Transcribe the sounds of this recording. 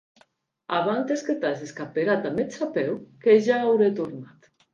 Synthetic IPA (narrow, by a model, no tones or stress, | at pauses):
aβant̪esket̪azeskapeɣat̪amet͡ʃapɛwkeʒaawɾet̪uɾnat̪